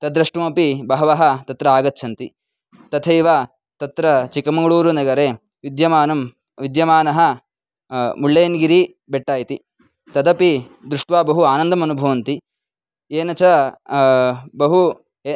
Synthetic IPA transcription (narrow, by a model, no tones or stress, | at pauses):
t̪ɐd̪ɾɐʂʈumɐpibɐɦɐʋɐɦɐt̪ɐt̪ɾɐaːɡɐt̪ːt͡ʃʰɐnt̪i | t̪ɐt̪ʰeiʋaː | t̪ɐt̪ɾɐt͡ʃikɐmɐŋɡɐɭuːɾunɐɡɐɾeː | ʋid̪jɐmaːnɐm | ʋid̪jɐmaːnɐɦɐ̆ | muɭːeːnɡiɾi | beʈːaːjit̪i | t̪ɐd̪ɐpi | d̪ɾuʂʈʋaːbɐɦuaːnɐnd̪ɐmɐnubʱɐʋɐnt̪i | eːnɐt͡ʃɐ | bɐɦu | e